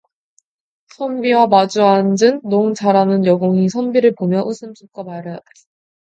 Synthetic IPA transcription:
sʰʌmbiwamad͡ʑuɦand͡ʑɯnːoŋt͡ɕʰaɾanɯnjʌɡoŋisʰʌmbiɾɯɭpomjʌʔusʰɯmsʰup̚k͈amaɾae

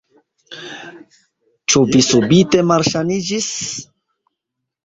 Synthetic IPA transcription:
t͡ʃʊbisubit̪emaɾʃanid͡ʒis

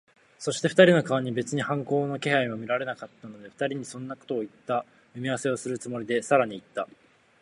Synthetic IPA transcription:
so̞ɕi̥t̪e̞ɸɯ̥t̪aɾʲino̞kaβaɲ̟ibe̞t͡sɨɲ̟ihãŋko̞ːno̞ke̞haimomʲiɾaɾe̞nakat̪ːano̞d̪e̞ɸɯ̟̥t̪aɾʲiɲ̟isõ̞nːako̞̥t̪o̞ːit̪ːa | mɯ̟mʲiaβase̞o̞sɨɾɯ̟t͡sɨmo̞ɾʲid̪e̞saɾaɲ̟iːt̪ːa

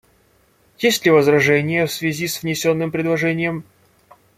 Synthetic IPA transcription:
jesʲtʲlʲɪvəzrɐʐɛnʲɪjəfsvʲɪzʲisvnʲɪsʲo̞nːɨmpɾʲɪd̪lˠɐʐɛnʲɪjəm

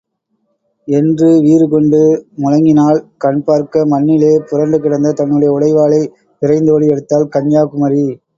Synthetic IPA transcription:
ɛndrɯʋiːɾɯkɔɳɖɯmʊɻɐŋɡɪnaːlkɐɳpaːɾkɐmɐnːɪleːpʊɾɐɳɖɯkɪɽɐnd̪ɐt̪ɐnːɯɽɐjɐʊɽɐɪʋaːlɐɪ | ɪɾɐɪnd̪oʋɐɽiɛɽɯt̪ːaːlkɐɲjaːkɯmɐɾi

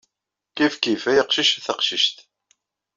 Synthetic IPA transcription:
kifkifæjəqʃiʃθəqʃiʃt̪

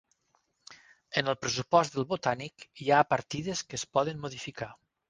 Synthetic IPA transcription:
ənəlˠpɾəs̬upɔst̪d̪əlˠβot̪anikjapəɾt̪iðəskəspɔðənmuðifika

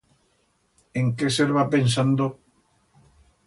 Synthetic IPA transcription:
eŋkeseɾβapensand̪o

